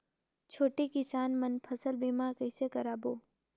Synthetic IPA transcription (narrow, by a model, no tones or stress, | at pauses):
t͡ʃʰoːʈikɪsaːnmənpʰəsəlbiːmaːɾkɐɪsekəɾaːboː